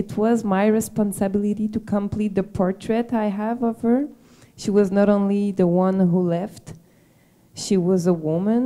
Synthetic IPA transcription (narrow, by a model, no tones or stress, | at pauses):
ɨt̚ʰwʌzmaɪɹɨspɑ̃nsɨbɪlˠɨɾiɾɨkʰə̃mpʰl̥it̪̚ðɨpʰɔɹtʰɹ̥ɛɾaɪəvʌv̥hə˞ | ʃiwʌznəɾõʊ̃nliðəwʌ̃nɦulɛft | ʃiwʌzəwʊmɨ̃n